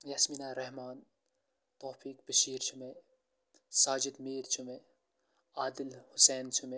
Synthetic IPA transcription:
jaːsminaːɾɐɦmaːn | t̪oːfiːk̚bɐʃiːɾt͡ʃʰume | saːd͡ʒɪd̪meːɾt͡ʃʰume | aːd̪ɪlhʊsɛːnt͡ʃʰume

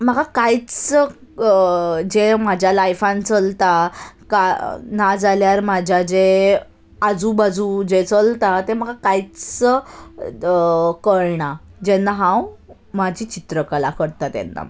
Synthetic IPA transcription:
məɡakajt͡s | d͡ʑem̤ad͡ʑʱjalajfãnt͡səlt̪akanad͡zaljaɾmad͡ʑʱjad͡ʑe | ad͡zuːbad͡zud͡ʑet͡səlt̪at̪em̤əɡakait͡sə | kəɭɳad͡ʑenːaɦãw | mad͡ʑʱiːt͡ɕit̪ɾəkəlakəɽt̪at̪ḛnːa̰

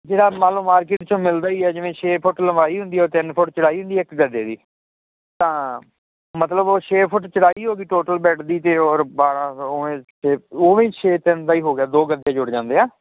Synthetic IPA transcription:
d͡ʒeːɽaːmaːlõːmaːɾkɪːʈt͡ʃõːmɪld̪aːiːɛːd͡ʒɪʋẽːʃʰeːpʰʊʈləmaːiːɦʊ̃nd̪iːɛɔːɾt̪ɪnpʰʊʈt͡ʃəɽaːiːɦʊ̃nd̪iːɛɪkɡəd̪eːd̪iː | t̪ãː | mət̪ləboːʃʰeːpʰʊʈt͡ʃəɽaːiːɦoːɡiːʈoːʈəlbɛːʈʰd̪iːt̪eːɔːɾbaːɾãːoʋẽːt͡ʃʰeːoːʋẽːt͡ʃʰeːt̪ɪnt̪aːiːɦoːɡejaːd̪oːɡəd̪jaːd͡ʒʊɽd͡ʒãːnd̪eːaː

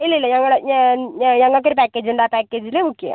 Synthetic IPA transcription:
ilːɐilːɐɲɐŋːɐɭuɽe | ɲɐŋːɐɭk̬ːo̞ɾupaːkːeːd͡ʑuɳɖaːpaːkːeːd͡ʑilemukːɐja̰

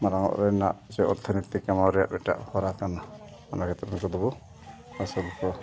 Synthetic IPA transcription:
maɾaŋɔ̰ʔɾɛna̰ʔd͡ʒɛɔɾt̪ʰɔnit̪ikamawɾɛja̰ʔbɛʈa̰ʔhɔɾakana | manakɛt̪ɔɾnkɔd̪ɔbɔ | asɔlkɔ

